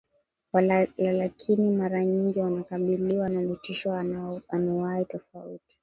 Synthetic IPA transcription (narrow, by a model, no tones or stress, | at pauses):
waalakʰinimaɾaɲiŋɡiwanakaɓiliwanamutiʃwɔaanawaitɔfauti̥